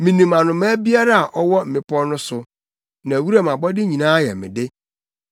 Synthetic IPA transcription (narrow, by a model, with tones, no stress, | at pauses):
mĩ˨nĩ˨mã˨nʊ̃˨ma˦bi˦a˦ɾa˦a˨ʔɔ˦wɔ˦m̩˨mɪ̃˦pɔ˦nʊ̃˦sʊ˨ | nã˨wu˦ɾa˦˨mã˨bɔ˦dɪ˦ɲĩ˨nãː˦jɛ̰˨mɪ̰̃˨dɪ˦